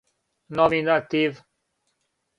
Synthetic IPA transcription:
nɔminat̪iv

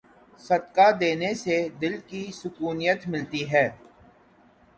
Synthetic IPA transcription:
sɐd̪kad̪eːnesed̪ɪlkisʊkuːnijət̪mɪlt̪iɦɛː

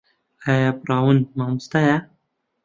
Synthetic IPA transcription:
ajapɾɑwunmamst̪aja

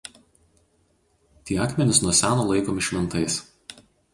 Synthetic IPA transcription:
t̪ʲiːɑːkmʲɛnʲɪsnuɔsʲæːnoːlˠɐɪkoːmʲɪʃʲʋʲɪnˑt̪ɐɪs

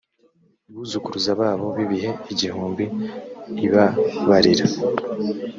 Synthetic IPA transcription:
iβuːzukuɾuzaβaːβo̞βiβiɦe̞iɟihuːmbiː | βaβaɾiɾa

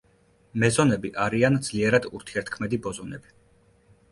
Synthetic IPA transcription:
mɛzɔnɛbiʔaɾiand̪z̥liɛɾad̪ṵɾt̪ʰiɛɾt̪̚ʰkʰmɛd̪ibɔzɔnɛbi

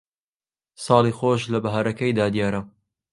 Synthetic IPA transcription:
sɑːliːxoːʃlɐbɐɦaɾɐkɐjd̪aːd̪ijaːɾɐ

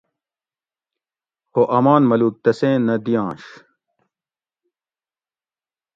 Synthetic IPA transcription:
hoʔɐmaːnmɐluːk̚t̪ɐsẽːnːɐd̪ijãːɕ

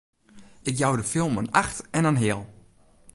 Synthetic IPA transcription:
ʔɪk̬jawdəfɪlˠmənaxtɛnənɦɪəlˠ

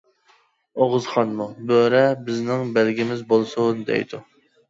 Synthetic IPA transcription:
oʁɨzχɑnmubøɾɛbɪznɪŋbælɡʲimɪzbolˠsund̪ɛ̰jd̪u

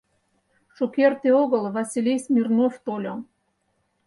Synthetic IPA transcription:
ʃokert̪eoɣəlvɑsʲilʲejsmʲirnoft̪olʲo

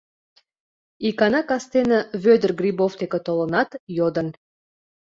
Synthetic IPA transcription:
ikɑnɑkɑst̪enə̆βød̪ərɡrʲiboft̪ekĕt̪olə̆nɑt̪jod̪ə̆n

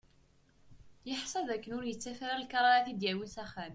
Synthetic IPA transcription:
jəħsˤɑðækːənʊɾjət͡sːæfaɾælkɑɾˤɑaθid̪jæwiθæχæm

